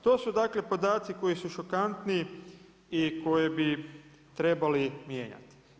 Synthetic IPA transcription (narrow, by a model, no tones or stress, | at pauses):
t̪o̞ːsud̪aːkle̞po̞d̪aːt̪siko̞jisuʃokant̪ni | iko̞jebi | t̪ɾe̞balimje̞̰ːɲa̰t̪i̥